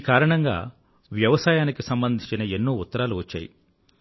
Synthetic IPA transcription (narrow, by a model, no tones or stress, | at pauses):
iːkaːɾɐɳɐŋɡa̰ː | ʋjɐʋɐsaːjaːnikisɐmbɐnd̪ʱiɲt͡ʃinɐe̞nːuːut̪ːɐɾaːluʋɐt͡ʃːa̰ːjḭ